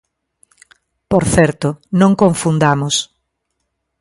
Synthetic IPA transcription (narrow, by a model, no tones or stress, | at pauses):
poɾθɛɾt̪ʊnõŋkõɱfund̪amʊs